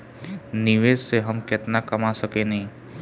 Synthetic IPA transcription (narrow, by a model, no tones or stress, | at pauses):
nɪʋeːd͡ʒseɦəmkɪt̪nakəmasəkenɐɦĩ